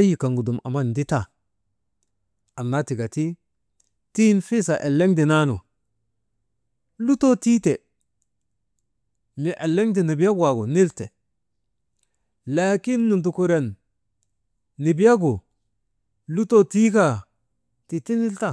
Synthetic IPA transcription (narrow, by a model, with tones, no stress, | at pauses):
a˦ji˨ka˨ŋɡu˨du˨ma̰˨ma˦n˨di˦ta˦˨ | a˨nːa˦ti˨ɡa˨ti˦ | ti˦nfi˦sa˨ʔe˨lːe˦ŋdi˨na˦nṵ˨ | lu˦to˦ti˦te˨ | mi˨ʔe˨lːe˦ŋdi˨ni˨bi˦a˦ɡwa˨ɡo˨ni˦lte˨ | la˨ki˦nːu˨nt̬u˨ku˨ɾe˨n | i˨bi˦a˦ɡu˨ | lu˦to˦ti˦ka˦˨ | ti˨ti˦ni˦lta˦˨